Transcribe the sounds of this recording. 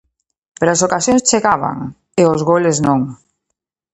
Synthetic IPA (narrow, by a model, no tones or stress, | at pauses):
peɾas̬okasjoŋst͡ʃeɣaβa̰ŋ | eozɣoleznoŋ